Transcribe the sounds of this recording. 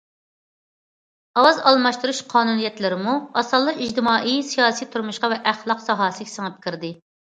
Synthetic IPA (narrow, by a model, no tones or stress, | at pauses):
ɑwɑzɑlˠmɑʃt̪uɾuʃqʰɑːnunijɛt̪lɪɾɪmuɑsɑlˠːəid͡ʒt̪ɪmɑːʔijsijɑːsijt̪ʰuɾmuʃqɑvɛʔæχlˠɑqsɑɦɑːsɨɡʲɛ̥səŋɨp̚kʲʰiɾd̪ɪ